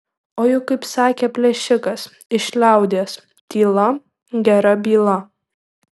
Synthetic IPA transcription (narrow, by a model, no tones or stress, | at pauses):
oːjʊkːɐɪpsɑːkʲeːpʲlʲɛʃʲɪkɐs | ɪʃʲlʲæˑʊd̪ʲeːs | t̪ʲiːlˠɐ | ɡʲɛɾɐbʲiːlˠɐ